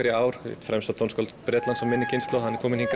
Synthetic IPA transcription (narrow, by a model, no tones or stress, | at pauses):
ɛɾjɪaːwɾ̥̰t̪fɾɛmst̪at̪ʰɔwnskɔlt̪pɾɛːt̪lansamɪnːɪcɪnst̪lɔwhanːɛɾkʰɔːmɪnhiŋk